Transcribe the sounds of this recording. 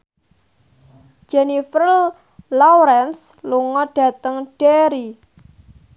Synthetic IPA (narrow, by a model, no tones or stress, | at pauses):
d͡ʒɛnifɾəl | lawɾɛns | luŋɔɖ̥ä̤t̪əŋɖ̥eɾi